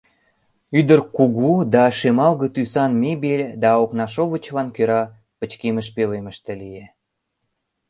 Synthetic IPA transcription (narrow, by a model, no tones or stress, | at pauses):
yd̪ərkuɣud̪ɑʃemɑlɣə̆t̪ysɑnmebelʲd̪ɑoknɑʃoβət͡ɕβɑnkøɾɑ | pət͡ɕkeməʃpeleməʃt̪ĕlije